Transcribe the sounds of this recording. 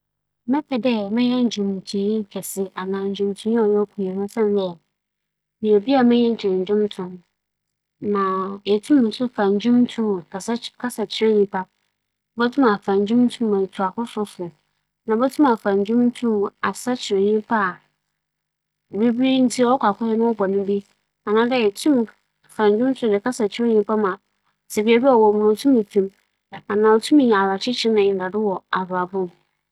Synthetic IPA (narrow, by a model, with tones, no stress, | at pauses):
mɛ̃˦pʰɛ˨dɛ˦mɪ̃˦ɲɛ̃˦n̩˨d͡ʑᶣũ˨m˨tʰĩ˨˦˨kʰɛ˨sɪ˦a˨nãː˨ɲ̩˨d͡ʑᶣʊ̃˨mtʰũ˦ĩ˦ɔ˨jɔ˦kʷʰu˨jɛ˨nʊ̃˦sɛ̃˦n˦dɛ˦ | mĩ˨e˨bi˦a˨mɪ̃˦ɲɛ̃˦ɲ˦t͡ɕʰᶣɪ˨ɾɪ̃˨ɲ˨d͡ʑᶣʊ̃˦mtʰʊ̃˨m | nã˨jɛ˨tʰũ˦mʊ̃˨˦sʊ˦fã˨ɲ˨d͡ʑʊ̃˦mtʰũ˦˨ka˨skʰa˦sa˨t͡ɕʰɪ˦ɛ̃˦ɲĩ˦pʰa˦ | bɔ˦tʰʊ̃˦ma˨fã˨ɲ˨d͡ʑᶣũ˦mtʰũ˦mã˨tʰu˨a˨kʊ˦fʊ˦fʊ˨ | nã˨˦bɛ˦tʰũ˦ma˨fã˨ɲ˨d͡ʑᶣʊ̃˦mn˦tʰũ˦m˨a˨sa˦t͡ɕʰɪ˨ɪ˨ɲĩ˦pʰa˦˨ | bi˦bn̩˦tʰi˦ɔ˦kʷa˨kʊ˦hɛ˦nʊ̃˦wɔ˦bɔ˨nɪ̃˦bi˦ | a˨nã˦dɛ˦ɛ˨tʰũ˦m˨ | fã˨ɲ˦d͡ʑᶣʊ̃˦m˦tʰʊ˦˨dɪ˨kʰa˦sa˨t͡ɕʰɪ˦ɪ˦ɲĩ˦pʰa˦mã˨ | sɛ˨bi˨ɛ˨bi˦ɔ˨wɔ˨mʊ̃˨ã˨tʰũ˦mĩ˨tʰũ˨m | a˨nã˨ɔ˨tʰu˦mĩ˨ɲ̃˨a˨ɾa˨t͡ɕʰɪ˦t͡ɕʰɪ˦nã˨ɪ˨da˨dɪ˦wɔ˨a˨ba˨bʊ̃˦m